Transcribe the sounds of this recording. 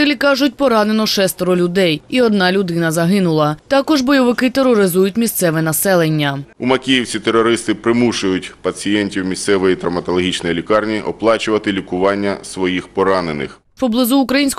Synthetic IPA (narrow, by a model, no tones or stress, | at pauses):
t̪ɛlʲikɑʒʊtʲpɔɾɑnenɔʃɛst̪ɔɾɔlʲʊd̪ɛjiɔd̪nɑlʲʊd̪ɪnɐzɐɦɪnʊlˠɐt̪ɑkɔʒbɔjɔʋɪkɪt̪eɾːɔɾɪzujʊtʲmʲist̪sɛʋɛnɐsɛlˠenʲːɐumɐkʲijiwsʲit̪eɾɔɾɪst̪ɪpɾɪmuʃʊjʊtʲpɐt͡sʲijɛnʲtʲiwmʲist̪sɛʋɔjit̪ɾɐmɐt̪ɔlˠɔɦʲit͡ʃnɔjilʲikɑrnʲiʔɔplˠɑt͡ʃʊʋɐt̪ɪlʲikʊʋɑnʲːɐsʋɔjixpɔɾɑnenɪ̰x | pɔblˠɪzuːkɾɐjinʲsʲk